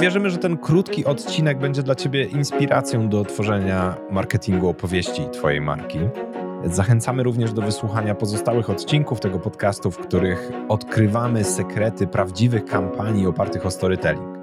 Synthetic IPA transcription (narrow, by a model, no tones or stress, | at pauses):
vʲjɛʐɘmɘʐɛt̪ɛnkɾut̪kʲiʔɔt̪t͡ɕinɛɡ̚bɛɲd͡ʑɛd̪lat͡ɕebʲjɛʔinspʲiɾa̰t̪sʲjɔ̃w̃d̪ɔt̪fɔʐɛɲamaɾkɛt̪ʲʰiŋɡuɔpɔvʲjeɕt͡ɕit̪fɔjḛjma̰ɾkʲizaxɛnt̪samɘɾuvɲɛʐd̪ɔvɘswuxaɲapɔzɔst̪awɘxɔt̪t͡ɕiŋkuft̪ɛɡɔpɔt̪kast̪ufkt̪uɾɘxɔt̪kɾɘvamɘsɛkɾɛt̪ɘpɾavd͡ʑivɘxkampʰaɲiɔpaɾt̪ɘxɔst̪ɔɾɘt̪ɛlʲḭŋk